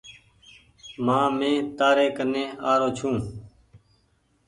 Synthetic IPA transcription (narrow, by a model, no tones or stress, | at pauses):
mãːmẽːt̪aːɾeːkənẽːaːɾoːt͡ʃʰũː